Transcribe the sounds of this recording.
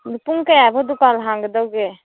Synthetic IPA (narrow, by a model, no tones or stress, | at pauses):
d̪upuŋkejabʱod̪upalɦãŋɡd̪əwɡe